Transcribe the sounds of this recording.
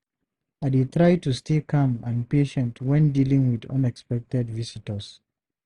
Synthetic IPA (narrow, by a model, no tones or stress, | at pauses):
adetɹaɪtustikʰãmãnpeʃɛ̃ntwɛ̃ndilĩŋwidʌ̰̃nɛkspɛk̚tɛdvisitəs